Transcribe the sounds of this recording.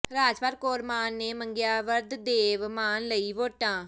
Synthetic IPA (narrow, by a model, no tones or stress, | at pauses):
ɾaːd͡ʒpəɾkoːɾmaːnːeːməŋɡjaːʋəɾd̪d̪eːʋmaːnləiːʋoːʈãː